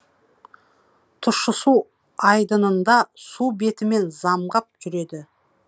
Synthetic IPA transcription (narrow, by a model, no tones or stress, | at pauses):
t̪ʰʊʃəsu | ɑjd̪ənənd̪ɑsube̞t̪ɪme̞nzɑmʁɑp̚kʲʰʏɾe̞d̪ɪ